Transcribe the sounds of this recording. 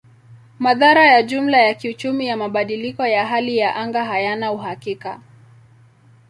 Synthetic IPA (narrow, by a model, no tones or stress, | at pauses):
maðaɾajaʄum̩lajakiut͡ʃumijamaɓaɗilikɔjaɦalijaʔaŋɡaɦajanauɦakika